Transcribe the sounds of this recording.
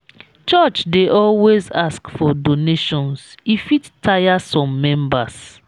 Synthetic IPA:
t͡ʃɔt͡ʃdeʔɔlwezaskfɔdoneʃɔ̃nsifittʰajasɔ̃mːɛ̃mbas

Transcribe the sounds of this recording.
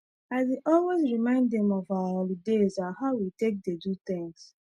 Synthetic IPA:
aɪdeʔɔlwezɹimãɪ̃ndɛ̃mɔvaaɔlidezahaʊwitek̚dedut̪ɪ̃ŋs

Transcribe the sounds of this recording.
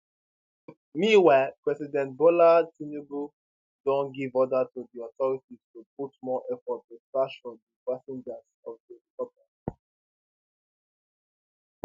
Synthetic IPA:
miwɛpɹɛsidɛ̃nt̚bolatinebu | dɔ̃nɡivɔdətuðiɔtɔɹitiz̥tuputmɔʔɛfɔt̚ːəfɹaʃfɔdipasɛ̃nd͡ʒəz | ɔvdədipɔt̚mɛ̃ntp

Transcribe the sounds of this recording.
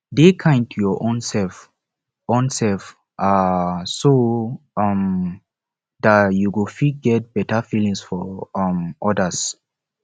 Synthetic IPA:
dekʰãntʰujɔʔõnsɛlf | õnsɛlf | ʔasoʌm | datjuwufit̚ɡɛt̚b̥ɛtəfilĩŋsfɔʌmʔɔdəs

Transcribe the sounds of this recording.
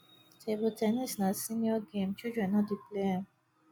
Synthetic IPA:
tʰebutʰɛnisnasĩniɔɡẽmt͡ʃid͡ʒɛ̃nɔdipleə

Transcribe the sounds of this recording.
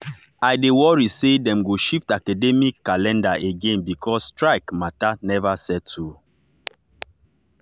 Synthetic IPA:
aɪdewɔɹisedɛ̃mɡoʃiftakadɛmikːalɛ̃ndaʔeɡẽnbikʰɔsstɹaɪkmatanɛvasɛd̚tʰu

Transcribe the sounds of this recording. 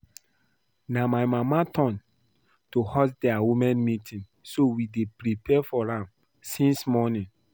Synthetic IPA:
namajmamatʰɔ̃n | tohɔsdɛawumɛ̃nmitʰĩn | sowidepɾipʰɛfɔɹãm | sĩnsmɔnĩn

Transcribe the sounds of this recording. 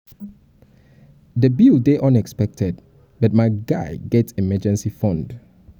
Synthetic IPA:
dəbildeʔʌ̃nɛkspɛk̚tʰɛd̚ | bʌt̚maɪɡaɪɡɛtsɛmɛd͡ʒɛ̃nsifɔ̃nd

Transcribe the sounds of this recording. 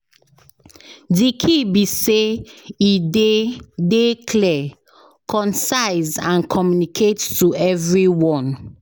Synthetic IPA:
dikʰibiseidedekʰlɛ | kʰɔ̃nsaɪzãnkʰɔmjunikʰettuɛvɹiwɔ̃n

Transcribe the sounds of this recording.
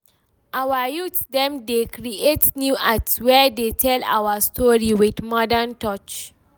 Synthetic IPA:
ʔawəjutdɛ̃mdekɹietnjuʔaswɛdetʰɛla̰wəstʰɔɹiwidmɔdəntɔt͡ʃ

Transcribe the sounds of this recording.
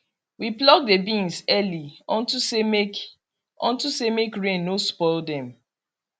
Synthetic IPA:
wiplɔɡ̚debĩnsɛliɔ̃ntusem | ɔ̰̃ntusemekɹẽnospɔɪldɛ̃m

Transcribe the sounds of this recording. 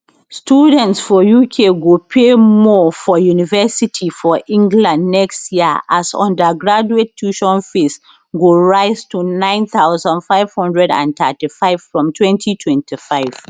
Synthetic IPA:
studɛ̃ntsfɔjukʰeɡopʰemɔfɔjunivɛsitʰifɔʔĩŋɡlãndnɛkstjiəʔasɔ̰̃ndəɡɹad͡ʒuetʰːuʃɔ̃nfes | ɡoɹaɪztunãɪ̃nθaʊzə̃ndfaɪv̥hɔ̃ndɹɛdã̰nt̪atifaɪv̥fɹɔ̃mtʰwɛ̃ntʰitʰwɛ̃ntʰifaɪv̥

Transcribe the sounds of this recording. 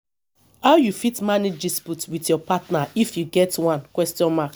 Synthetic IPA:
haʊjufitmaned͡ʒdisputwitjɔpatnaifjuɡɛtwãnkwɛstjɔ̃nmak

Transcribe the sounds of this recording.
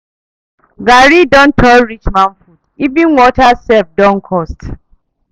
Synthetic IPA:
ɡaɾidɔ̃n̩tʰɔlɾit͡ʃmanfutivĩnwɔtasɛfdɔ̃ŋ̩kʰɔst

